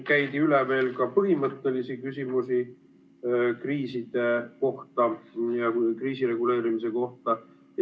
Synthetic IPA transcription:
kæjt̪iyleve̞ːlkɑpɤɦimɤt̪ːˑe̞lisikysʲimusi | kriːsid̪̥e̞ko̞ht̪ɑjɑkriːsiɾe̞ɡule̞ːɾimis̬e̞ko̞ht̪ɑ

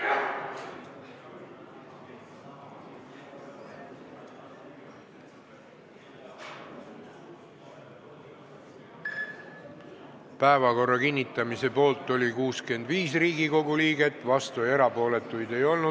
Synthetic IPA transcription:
pæevɑko̞rːɑkinʲːit̪ˑːɑmise̞po̞ːlt̪ːˑo̞lʲikuːske̞nd̪viːsriːɡiko̞ɡ̥uliːɡe̞t̪ːˑvɑst̪ue̞ɾɑpo̞ːle̞t̪ːˑujd̪e̞jo̞lnu

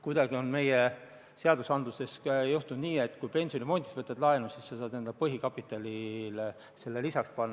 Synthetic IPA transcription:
kujd̪ɑɡ̥io̞nme̞je | se̞ɑd̪usɑnd̪luse̞sjuht̪und̪niːe̞t̪ːˑkujpe̞nʲsijo̞nʲimo̞nʲt̪ʲisvɤt̪ːˑɑd̪̥lɑenusisːɑsɑːd̪nend̪̥ɑpɤɦikɑpːˑit̪ːˑɑlʲil | se̞lːelisɑkspɑnːɑ

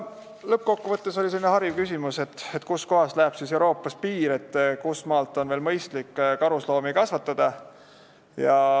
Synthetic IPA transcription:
lɤp̚ːko̞kːuvɤt̪ːe̞so̞lʲiselinehɑɾjivkysʲimuse̞t̪ːˑet̪ːˑkusko̞ɦɑslæeb̥sise̞uɾo̞ːpːˑɑspiːɾe̞t̪ːkusmɑːlt̪ːˑo̞nve̞ːlmɤjst̪likːkɑɾuslo̞ːmikɑsvɑt̪ːˑɑd̪̥ɑ | jɑ

